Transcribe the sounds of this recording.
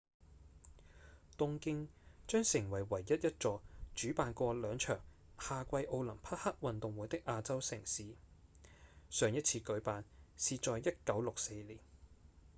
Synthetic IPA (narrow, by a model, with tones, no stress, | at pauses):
t̪ʊ˥ŋkɪ˥ŋt͡ʃœː˥ŋsɪ˨˩ŋwɐ˨˩jwɐ˨˩jːɐ˥t̚jɐ˥t̚t͡sɔː˧t͡ʃyː˨˥paː˨nkʷɔː˧lœː˨˧ŋt͡ʃʰœ̰ː˨˩ŋ | haː˧kʷɐ˧jʔo˧wlɐ˨˩mpʰɐ˥t̚hɐ˥k̚wɐ˨nt̪ʊ˨ŋwuː˨˥jt̪ɪ˥k̚ʔaː˧t͡sɐ˥wsɪ˨˩ŋsiː˨˥ | sœː˨˧ŋjɐ˥t̚t͡sʰiː˧kɵ˨˥ɥpaː˨˧nsiː˨˧t͡sɔː˨jjɐ˥t̚kɐ˨˥wlʊ˨k̚se˧jliː˨˩n